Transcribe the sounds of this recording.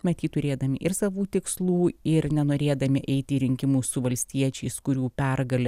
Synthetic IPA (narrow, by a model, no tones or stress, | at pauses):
mʲɛt̪jʲiːt̪ʊɾʲeːd̪ɐmʲɪʔɪɾsɑːʋuːt̪ʲɪkslˠuːɪɾnʲɛnoːɾʲeːd̪ɐmʲɪʔɛɪt̪ʲɪiːɾʲɪŋʲkʲɪmuːsʊʋɐlʲsʲt̪ʲiɛt͡ʃʲɛɪskʊɾʲuːpʲɛrɡɐlʲɛ